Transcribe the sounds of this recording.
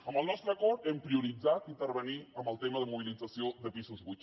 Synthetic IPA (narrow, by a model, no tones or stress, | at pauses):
əmbəlˠnɔst̪ɾəkɔɾt̪ɛmpɾiuɾid͡zat̪int̪əɾβəniəmbəlˠt̪eməðəmuβ̞ilid͡zəsioðəpizuzβu